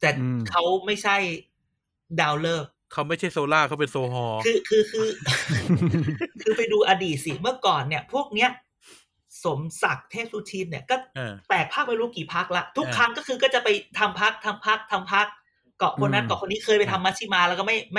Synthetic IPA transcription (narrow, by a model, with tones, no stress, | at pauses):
t̪ɛː˨˩kʰa˦˥wma˥˩jt͡ɕʰa˥˩j | daː˧wlɤː˥˩k̚kʰːa˦˥wma˥˩jt͡ɕʰa˥˩jsoː˧laː˥˩kʰa˦˥wpe˧nsoː˧ɦɔː˧kʰɯː˧kʰɯː˧kʰɯː˧ | kʰɯː˧pa˧jduː˧ʔa˧diː˨˩t̪̚si˨˩mɯ˥˩ɐkɔː˨˩nːi˥˩ɐpʰu˥˩ək̚ni˦˥ɐ | so˩˦msa˨˩k̚t̪ʰeː˥˩p̚suː˧t͡ɕ̪ʰiː˧mni˥˩kɔː˥˩p̪ɛː˨˩k̚pʰaː˥˩k̚ma˧jɾuː˦˥kiː˨˩pʰa˦˥k̚la˦˥ʔt̪ʰu˦˥kkʰɾa˦˥ŋkɔː˥˩kʰɯː˧kɔː˥˩t͡ɕa˨˩pa˧jt̪ʰa˧mpʰa˦˥k̚t̪ʰa˧mpʰa˦˥k̚t̪ʰa˧mpʰa˦˥k̚ː | ɔ˨˩kʰo˧na˥˩nkɔ˨˩kʰo˧nːiː˦˥kʰɤː˧jpa˧jt̪ʰa˧mːaː˧˥t̪ʰiː˥˩maː˧lɛː˦˥wkɔ˥˩ma˥˩jma˥˩